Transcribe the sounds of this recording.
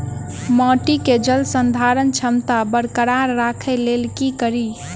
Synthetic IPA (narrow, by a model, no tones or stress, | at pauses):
mɔʈiked͡ʒəlsənd̪ʱaɾənt͡ʃʰəmt̪abəɽkəɾaɾːakʰɛlelkikəɾi